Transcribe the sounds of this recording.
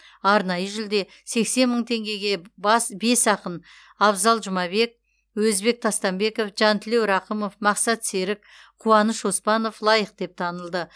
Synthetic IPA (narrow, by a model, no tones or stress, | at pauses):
ɑɾnɑjəʒɪld̪e̞ | se̞kse̞nməɴt̪ʰe̞ŋɡʲe̞ɡʲe̞bɑsbe̞sɑqən | ɑbzɑlˠʒʊmɑbe̞k̚ | wɵzbe̞k̚t̪ʰɑst̪ɑmbe̞ko̞fʒɑnt̪ʰɪle̞wɾɑqəmo̞fmɑqsɑt̪se̞ɾɪk | qʰuwɑnəʃospɑno̞flˠɑjəq̚d̪̥e̞p̚t̪ʰɑnəlˠd̪ə